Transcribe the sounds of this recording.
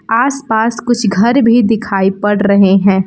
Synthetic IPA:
aːspaːskʊt͡ʃʰɡʱɐɾbʱid̪ɪkʰaːipɐɽɾɐɦeɦɛ̃ː

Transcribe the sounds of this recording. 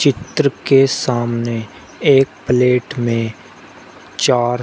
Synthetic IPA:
t͡ʃɪt̪ɾəkesaːmne | eːk̚pleːʈmẽ | t͡ʃaːɾ

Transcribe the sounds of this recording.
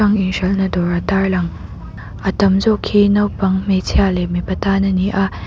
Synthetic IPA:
aŋiŋʃɐlnɐdɔɾɐtaɹlɐŋ | ɐtɐmzɔkʰːinɐwpɐŋmetʰialemipɐtanɐniʔɐ

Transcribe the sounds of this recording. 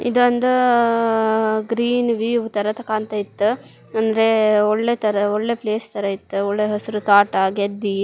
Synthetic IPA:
ḭd̪ɐnd̪u | ɡɾiːnʋiːʋt̪ɐɾɐt̪ɐkaːnt̪ɐit̪ːu | ɐnd̪ɐɾeɔɭːet̪ɐɾɐɔɭːepleːst̪ɐɾɐit̪ːuɔɭːeɦɐsiɾut̪aːʈɐɡed̪ːi

